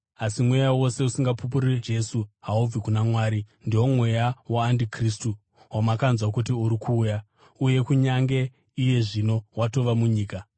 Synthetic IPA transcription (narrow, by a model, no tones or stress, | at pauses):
asimwe̞jawo̞se̞usiŋɡapup̬uried͡ʒe̞suɦaub͡vikunamwaːɾindiwo̞mwe̞jawaːndikristu | wamakanzwakutiuɾikʰuːja | uje̞kuɲaŋɡe̞ | ije̞ʐino̞wato̞ʋamuɲiːka